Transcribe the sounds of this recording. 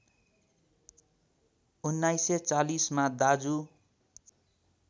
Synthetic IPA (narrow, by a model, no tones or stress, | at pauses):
unːajset͡salismad̪ad͡zu